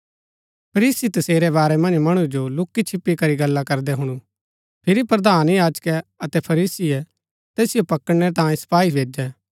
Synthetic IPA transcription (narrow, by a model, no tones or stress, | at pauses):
pʰɐɾiːsit̪ɐseːɾɛβaːɾɛmɐ̃nd͡ʒmɐɽ̃ud͡ʒolʊkːit͡ʃʰɪpːikɐɾiɡɐlːakɐɾd̪ɛɦʊɽ̃ũ | pʰɪɾipɾɐd̪aːnjaːd͡ʒkɛɐt̪ɛpʰɐɾiːsiɛ | t̪ɛːsɪjopɐkəɽɽ̃ɛt̪ãːĩsɐ̥paːibʱeːd͡ʒɛ